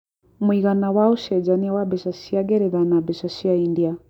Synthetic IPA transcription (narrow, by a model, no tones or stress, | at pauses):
muiɣanawauʃɛd͡ʒaniwabɛʃasiaɡɛɾɛðanabɛʃasiaindia